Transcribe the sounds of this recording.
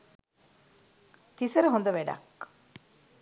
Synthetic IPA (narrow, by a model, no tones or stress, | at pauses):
t̪isɐɾɐɦond̪ɐʋeɖɐ̰k